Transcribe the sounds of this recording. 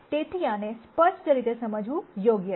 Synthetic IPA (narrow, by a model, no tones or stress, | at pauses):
ʈ̪et̪ʰianespət͡ʃʰtəɾit̪esəməd͡ʒʋũjoɡjə